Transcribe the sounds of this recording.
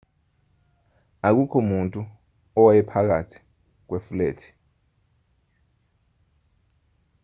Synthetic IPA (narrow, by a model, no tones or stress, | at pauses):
ak̬ukʰɔmuntʼu | ɔwajɛpʰak̬atʰi̥ | k̬wefulḛːtʰi̥